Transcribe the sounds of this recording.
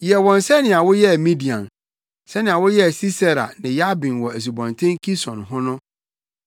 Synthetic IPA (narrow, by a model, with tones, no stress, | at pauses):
jɛ˨wɔ̃˨nsɛ˦nɪ̃˨a˨wʊ˦jɛ˦˨mĩ˦di˨ã̰˨n | sɛ˦nɪ̃˨a˨wʊ˦jɛ˦˨si˦sa˦ɾa̰˨nɪ̃˨ja˦bĩ˨nwɔ˨æ˨s̬u˨bɔ̃˨ntʰɛ̃˦ŋkʰi˦sɔ̰̃˨nɦʊ̃˦nʊ̃˦